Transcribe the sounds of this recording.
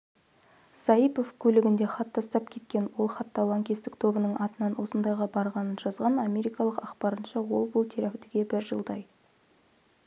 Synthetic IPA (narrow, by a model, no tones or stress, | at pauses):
sɑipo̞fkʲʰɵlɪɡʲɪnd̪e̞χɑt̪ːɑst̪ɑpkʲʰe̞t̪̚kʲe̞nwo̞lˠχɑt̪ːɑlˠɑŋkʲest̪ɪk̚t̪ʰo̞bənəɴʔɑt̪ənɑnwo̞sənd̪ɑjʁɑbɑɾʁɑnənʒɑzʁɑnɑmʲe̞ɾijkɑlˠəqɑqpɑɾənʃɑwo̞lˠbʊlˠt̪ʰeɾakʲt̪eɡʲe̞bɪɾʒə̰lˠd̪ɑj